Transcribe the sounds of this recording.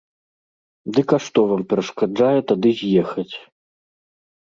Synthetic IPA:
d̪ɨkaʂt̪ɔvampʲɛɾɐʂkad͡ʐajɛt̪ad̪ɨzʲjɛxɐt͡sʲ

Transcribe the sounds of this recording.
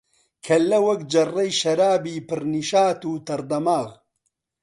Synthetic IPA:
kʰɐlːɐwɐkd͡ʒɐrːɐjʃɐɾaːbiːpɨɾniʃaːt̪uːt̪ɐɾd̪ɐmaːɣ

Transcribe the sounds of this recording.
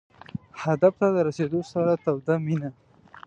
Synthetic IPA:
had̪aft̪ad̪əɾased̪osaɾat̪awd̪amina

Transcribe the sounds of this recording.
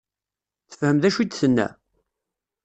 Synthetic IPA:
θə̥fhəmðæʃid̪θənːæ̰

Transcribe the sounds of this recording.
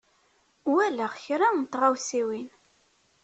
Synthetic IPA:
wælæʁçɾant̪ʁawsiwin

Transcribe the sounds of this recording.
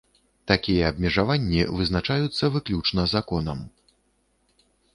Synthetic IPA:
t̪akʲijɛɐbmʲɛʐavanʲːivɨznat͡ʂajut̪sːɐvɨklʲut͡ʂnɐzakɔnɐm

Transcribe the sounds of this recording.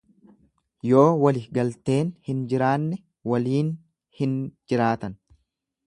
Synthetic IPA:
jo̞ːwɐlɪɡɐlt̪e̞ːnhɪnd͡ʒɪɾaːnːɛ | wɐliːn | hɪnd͡ʒɪɾaːt̪ɐn

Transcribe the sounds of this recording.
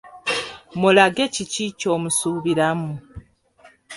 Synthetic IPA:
mulaɡe̞ciciːco̞ːmusuːβiɾamu

